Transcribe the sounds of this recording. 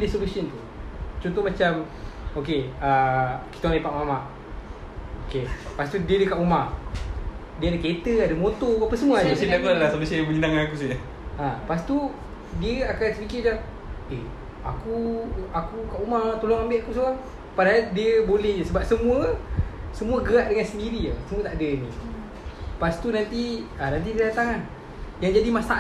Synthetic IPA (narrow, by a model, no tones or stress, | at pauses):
lehsolusiɔnt̪u | t͡ʃɔnt̪omat͡ʃam | okeəkit̪aaipaʔmamaʔ | okepast̪udiədəkaʔumah | diəadaket̪əadəmot̪oapəsəmuaɲausinakuadalahsolusiənjambəɲənaŋanakus̬iə | ãpast̪u | diəakansəpikɪd͡ʒa | e | a̰kuakukaʔumat̪olɔŋambɪʔakus̬uaŋ | padaɦaldiəbolɛhsəbap̚səmũəsəmũəɡəaʔdəŋansəndiɾiə̰səmuət̪aʔdəni | past̪unant̪ianant̪̬idiat̪aŋan | jaŋd͡ʒadimast̪a